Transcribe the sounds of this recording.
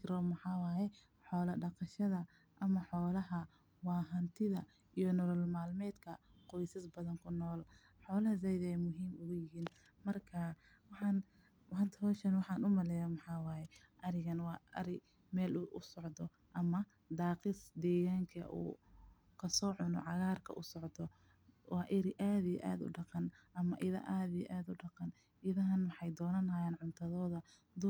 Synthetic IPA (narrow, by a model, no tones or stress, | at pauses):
kɾɔmɐħɑːwɑːjɛ | ħɔːlɐɖɑqɑʃɐðɐ | ʔɐmɐħɔːlɐɦɐ | wɑːɦɐnt̪ʰɪðɐ | ijɔnɔlɔlmaːlmɛːd̪kʰɐ | qɔjsɐsbɐðɐŋkʰʊnɔːl | ħɔːlɐhɐzɛjðɛjmʊɦiːmʊɣʊjɪɦiːn | mɐrkʰa | wɑħɑːn | hɐnt̪ʰhɔːʃɐnwɑħɑːnʊmɐlɛːjɐmɑħɑːwɑːjɛ | ʔɐɾɪɣɐnwɑːɐ̰ɾɪ | mɛːlʊʔʊsɔʕd̪ɔ | ʔɐmɐ | d̪ɑːqɪsd̪ɛːɣaːŋkʰɐ̰ʔṵː | kʰɐsɔːʕʊnɔ̰ʕɑɣaːrkʰɐ̰ʔʊsɔʕd̪ɔ | wɑːʔɪɾɪʔaːðijɛ̰ʔa̰ːd̪ʊ̰ɖɑqɑnʔɐmɐʔɪðɐ̰ʔaːðijɛ̰ʔaːd̪ʊɖɑqɑn | ɪðɐɦɐnwɑħɑjd̪ɔːnɐnaːjaːnʕʊnt̪ʰɐðɔːðɐ | d̪u